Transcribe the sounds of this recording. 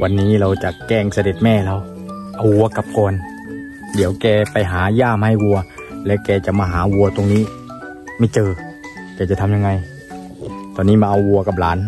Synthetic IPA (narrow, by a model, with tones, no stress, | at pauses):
wʔa˧nːiː˦˥˨ɾa˧wt͡ɕa˨˩ʔkɛː˧˩ŋsa˧de˨˩t̪̚mɛː˧˩˨la˧˩w | ʔa˧wwu˧ɐka˧˦p̚kɔː˨˩n | di˨˦əwkɛː˧˩pa˧jɦaː˩˦jaː˧˥˩mha˧˥˩jwu˧ɐ | lɛː˦˥wkɛː˧t͡ɕa˨˩maː˧ɦaː˩˦wu˧ɐt̪o˧ŋniː˦˥˩ | ma˧˥˩t͡ɕɤː˧ | kɛː˧˩t͡ɕa˨˩t̪ʰa˧mɲa˧ŋa˧j | t̪ɔː˧nːiː˦˥˩maː˧ʔa˧wwu˧ɐka˧˦p̚laː˨˦n